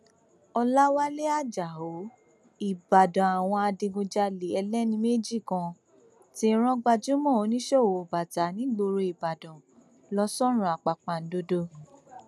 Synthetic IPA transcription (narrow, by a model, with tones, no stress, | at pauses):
ɔ˧la˦wa˦le˦a˦˨d͡ʒa˨ɦo˨˦ | i˨ba˨dɔ̃˨a˨w̃ɔ̃˧a˧de˧ɡõ˧d͡ʒa˧le˨ɛ˧lɛ˦nĩ˧me˦d͡ʒi˦˨kã˧ | ti˦ɾ̃ɔ̃˦ɡ͡ba˧d͡ʒu˦mɔ̃˦˨o˨˦nĩ˦ʃɔ˦˨o˨ba˨ta˨˦nĩ˨˦ɡ͡bo˧ɾo˧i˨ba˨dɔ̃˨ | lɔ˧˦sɔ˦ɾ̃ũ˨a˨k͡pa˨k͡pa˨n̩˨˦do˦do˦˧